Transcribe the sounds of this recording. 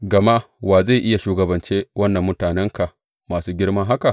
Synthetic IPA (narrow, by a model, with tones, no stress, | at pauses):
ɡɐ˨ma˦ | waː˨za˦˨ʔɪ˦ja˨ʃuː˦ɡɐ˨bɐ˨nt͡ʃeː˦wɐ˦nːɐ˨mːʊ˦taː˨nɛ˦ŋka˨ʔ | maː˨suː˦ɡʲɪ˦ɽmɐ˦ŋɦa˦ka˨ʔ